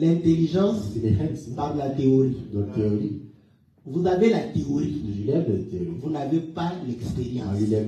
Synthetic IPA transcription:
lɛ̃t̪eliʒɑ̃sleɛspaʁd̪əlat̪eoʁid̪ɔt̪eoʁi | vuzavelat̪eoʁid̪əʒylɛmət̪eoʁivunavepalɛkspeʁjɑ̃ʒilɛ

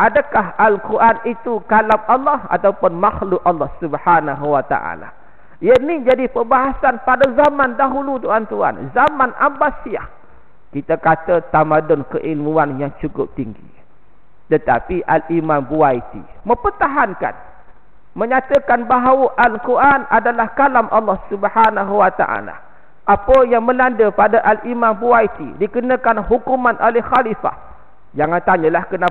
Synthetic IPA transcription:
ʔadakaɦalkuɾʔanit̪ukalapɑlːɔha̰t̪aupʊnmaxlʊk̚ʔɑlːɑhsubhanaɦuwat̪a̰ʔa̰la̰ | janid͡ʒadipəbaɦasanpadazamãndaɦulut̪uant̪ua̰nzamanʔa̰mbasiah | kit̪akat̪ət̪amadʊnkəʔilmũanjaŋt͡ʃukʊ̰p̚t̪iŋɡḭ | t̪ət̪a̰piʔalʔimãmbuait̪ḭ | mə̃pərt̪aɦanka̰n | mə̃ɲat̪əkanbaɦawəʔalkuɾʔanʔadalahkalamʔalːɔhsubhanaɦuwat̪a̰ʔa̰la̰ | ʔapəjaŋmə̃landəpadaʔalʔimãmbuait̪ḭdikənəkanɦukumãnʔolɛhxalifa̰h | d͡ʒaŋãnt̪aɲəlahkəna

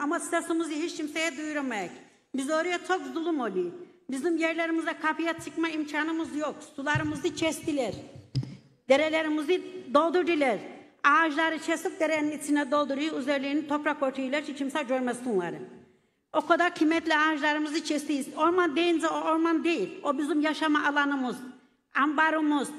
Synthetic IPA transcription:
amasi̥t̪ʰasumɯzɯɦit͡ʃcʰimsejɛd̪ujuɾumajac | bizøːɾijɛt͡ʃʰokzulˠumolʲi | bizimjɛɾlʲeɾimizd̪akʰapijat͡ʃʰɯkmaimcʰaːnɯmɯzjoksulˠaɾɯmɯzɯt͡ʃʰɛst̪ilʲɛɾ | d̪eɾelʲeɾimizɯd̪o̞lˠd̪uɾd̪ilʲɛɾ | aːʒlˠaɾɯt͡ʃʰɛsɯk̚d̪eɾɛninit͡ʃ̪ʰinɛd̪o̞lˠd̪uɾujuzeɾlʲinint̪ʰo̞pɾako̞ɾt̪ʰuilʲˠaɾt͡ʃʰit͡ʃʰimsad͡ʒoɾmɛsunlˠa̰ɾɯ | o̞kʰad̪aɾcʰimɛt̪lʲɛaːʒlˠaɾɯmɯzɯt͡ʃʰɛst̪ijizo̞ɾmand̪ejind͡ʒɛooɾmand̪ejilʲobizimjaʃamaʔːlˠanɯmɯz | ambaɾumuz̥

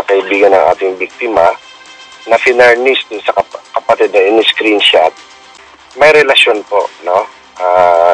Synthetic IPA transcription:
ɐkɐʔɪbiːɡɐnɐŋʔa̰ːt̪ɪŋbik̚t̪ɪmɐ | nɐfɪnɐɹnisd̪ʊnsɐkɐkɐpɐt̪ɛd̪̚nɐʔɪnɪskɾinʃat̪̚ | mɐjɾɛlɐʃo̞npo̞ʔno̞ | ʔa

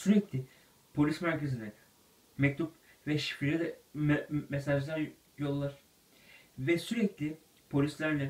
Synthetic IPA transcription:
syɾɛclʲɪ | pʰo̞lʲismæɾcʰezinɛ | mɛc̚t̪ʰup | vɛʃi̥fiɾɛd̪ɛ | mɛsaʒd̪an | jo̞lˠːaɾ̥ | vɛsyɾɛclʲɪ | pʰo̞lʲislʲæɾlʲɛ

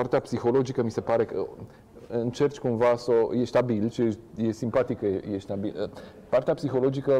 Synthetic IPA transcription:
part̪eapsixo̞lo̞d͡ʒikəmise̞paɾe̞kə̰ | ɨnt͡ʃe̞rt͡ʃʲkumvasəjeʃt̪abilʃieʃje̞simpat̪ikkəejeʃt̪abilə | part̪eapsixo̞lo̞d͡ʒikə

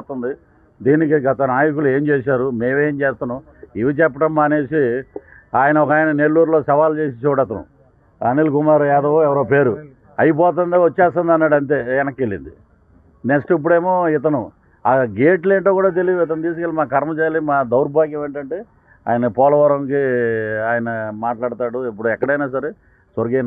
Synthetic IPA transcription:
t̪und̪i | d̪iːnikiɡɐt̪ɐnaːjɐkulue̞ːmt͡ʃeːsaːɾumeːʋeːmt͡ʃeːst̪anu | iʋit͡ʃɛpːɐʈɐmːaːneːsi | aːjɐnɐɔkaːjnɐne̞ɭːuːɾlo̞ːsɐʋaːlt͡ʃe̞ːsit͡ʃuːɽɐt̪ɐnṵ | ɐ̰nilkumaːɾuɛːd̪ɐʋoɛʋɐɾoːpe̞ːɾu | ɐjip̬ɔːt̪̬ɐnd̪iʋot͡ʃːɛːst̪ɐnd̪ɐnːaːɽɐnt̪̬e̞ːɛnɐkːeɭːḭnd̪i | neksʈip̬ːuɽe̞ːmoːɪt̪̬ɐnu | aːɡe̞ːʈleːɳʈoːkuːɽaːt̪̬e̞lid̪uɪt̪ɐnut̪iːs̬ukelimaːkɐɾmɐt͡ʃaːlimaːd̪ɐwɾbaːk̬jɐʋeːɳʈɐɳʈeː | a̰ːjɐnɐpɔːlɐʋɐɾɐŋkiaːjɐnɐmaːʈlaːɽt̪aːɽuipːuɽuɛkːɐɽɐjnaːsɐɾe | sɐɾɡen

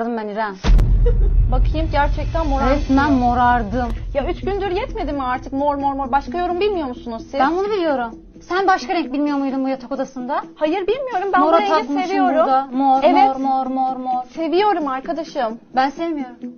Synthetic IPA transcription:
d̪ɯmːeniɾɛn | bakʰɯjɯmɟæɾt͡ʃʰɛc̚t̪ʰænmoɾaɛt̪mænmo̞ɾaɾd̪ɯmjayt͡ʃɟynd̪yɾjɛt̪me̞d̪imaɾt̪ʰɯkmoɾmoɾmoɾbaʃkajo̞ɾumbilʲmijo̞ɾmusunuzsibænbunubilʲijo̞ɾum | sænbaʃkaɾɛɲc̚ʲbilʲmijo̞ɾmujd̪umbujat̪ʰako̞d̪asɯnd̪ahajɯɾbilʲmijo̞ɾumbæmoɾaak̪maeʃjoud̪amoɾemoɾmoɾmoɾmoɾse̞vijo̞ɾumaɾkʰad̪aʃɯmbænsevmijo̞ɾum

